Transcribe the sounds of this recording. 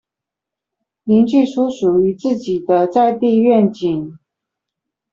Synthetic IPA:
li˧˥nt͡ɕy˥˩ʂu˥ʂu˨˩y˧˥t͡sɹ̩˥˩t͡ɕi˨˩d̪ə˦t͡sa˥˧ɪt̪i˥˧ɥɛ˥˩nt͡ɕi˨˩˦ŋ

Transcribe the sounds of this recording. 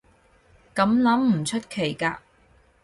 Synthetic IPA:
kɐ˨˥mlɐ˨˥m̩˨˩t͡ʃʰɵ˥t̚kʰe˨˩jkaː˧

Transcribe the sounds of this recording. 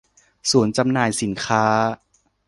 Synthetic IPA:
su˩˦ənt͡ɕa˧mnaː˨˩jsi˩˦nkʰaː˦˥

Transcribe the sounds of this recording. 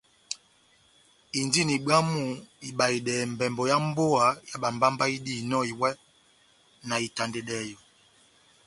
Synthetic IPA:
i˨ndi˦˨ni˨ɓa˦mu˨˦i˨ɓa˨i˨ɗɛː˨m̩˨bɛ˨mbɔ˨ja˦m̩˦bo˦a˨ja˦ɓa˨mba˦mba˦i˦di˦˨nɔ˦˨i˨wɛ˦ | na˨i˨ta˨nde˨ɗɛː˨˦jo˨

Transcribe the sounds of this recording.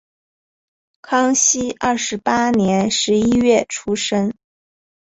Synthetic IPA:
kʰɑ˥ŋɕi˥ʔɐ˥˩ʂɻ̩˧˥pa˥njɛ˧˥nʂɻ̩˧˥i˥ɥɛ˥˩ʈ͡ʂʰu˥ʂə˥ŋ

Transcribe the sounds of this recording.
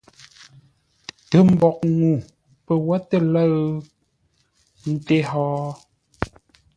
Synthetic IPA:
tə˨m̩˦bɔ˨k̚ŋu˨ | pə˨wa˦tə˦˨lə˦ɰ | n̩˦˨te˦ɦɔː˨˦

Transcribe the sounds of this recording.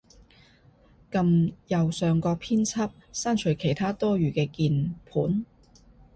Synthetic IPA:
kɐ˧mjɐ˨wsœː˨˧ŋkɔː˧k̚pʰiː˥nt͡sʰɐ˥p̚saː˥nt͡ʃʰɵ˨˩jkʰe˨˩jt̪ʰaː˥t̪ɔː˥ɥyː˨kɛː˧kiː˧npʰuː˨˥n

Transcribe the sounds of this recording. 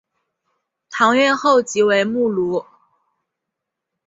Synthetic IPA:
t̪ʰɑ˧˥ŋɥɛ˥˧nxo˥˩ʊt͡ɕi˧˥we˧˥ɪmu˥˩lu˧˥

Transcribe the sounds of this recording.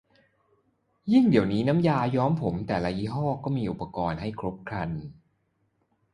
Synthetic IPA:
ji˥˩ŋdi˨˩əwniː˦˥na˦˥mjaː˧jɔː˦˥mpʰo˩˦mt̪ɛː˨˩la˧ji˦˥˩ɦɔː˥˩kɔː˥˩miː˧ʔu˨˩pːa˧kɔː˧nha˥˩jkʰɾo˦˥p̚kʰɾa˧n

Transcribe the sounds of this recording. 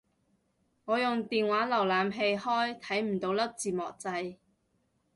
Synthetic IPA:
ŋɔː˨˧jʊ˨ŋt̪iː˨nwaː˨˥lɐ˨˩wlaː˨˧mɦe˧jhɔː˥jt̪ʰɐ˨˥jm̩˨˩t̪o˨˧wlɐ˥p̚t͡siː˨˩mɔ̰ː˨˩k̚t͡sɐ˧j

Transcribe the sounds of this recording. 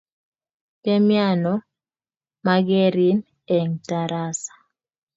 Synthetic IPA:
pɛ˦mja˦˨nɔ˦ | ma˦ɡɛ˦ɾi˦n | ɛ˨ŋta˨ɾa˦sḁ˨

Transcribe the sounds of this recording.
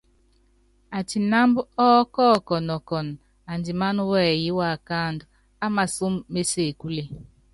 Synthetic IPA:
a˨ti˨na˦mbɔ˦kɔː˦˨kɔ˨nɔ˨kɔ˨n | a˨ndi˨ma˦nu˦wɛ˦˨ji˦wa˨ka˦˨ndu˨ | a˦ma˨su˦mːe˦se˦˨ku˦le˨

